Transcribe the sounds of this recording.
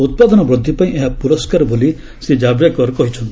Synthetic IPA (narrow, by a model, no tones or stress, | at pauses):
ut̪̚pad̪ɔnɔbɾud̪ʱːipaĩʔeɦapuɾɔskaɾɔboli | sed͡ʒabɾjakɔɾɔkɔɦit͡ʃʰɔnt̪